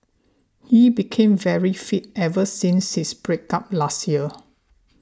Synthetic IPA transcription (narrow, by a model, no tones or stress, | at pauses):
hibikʰẽmvɛɹifit̚ɛvəsĩnshisbɹek̚ap̚lastjiə